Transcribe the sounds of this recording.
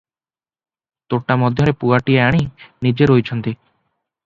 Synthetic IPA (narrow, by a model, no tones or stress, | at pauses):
t̪oʈamɔd̪ʱjɔɾepuaʈieaɽ̃inid͡ʒeɾojt͡ʃʰɔnt̪i